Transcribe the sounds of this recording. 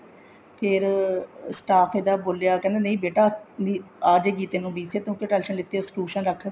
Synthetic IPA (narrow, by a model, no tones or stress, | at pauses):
pʰɪɾsʈaːkʰeːd̪aːboːljaːkɛ̃ːnd̪eːnə̃ĩːbeːʈaːniːaːd͡ʒeːkiːt̪eːnũːbiːsʰeːt̪ʰõːkeʈɛlʃənlɪt̪ːeːsʈuːʃənɾəkʰː